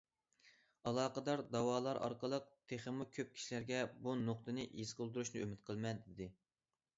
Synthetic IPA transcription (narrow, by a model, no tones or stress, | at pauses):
ɑlˠɑːqəd̪ɑɾd̪ɑwɑːlˠɑɾʔɑ̰ɾqəlˠəq̚t̪ʰeχəmukʲʰøp̚kʲʰi̥ʃilæɾɡʲɛbunoq̚t̪ɨnɨʔiz̥qəlˠd̪uɾuʃnɨømɪt̪̚qʰəlˠmɛnd̪ɪd̪ɪ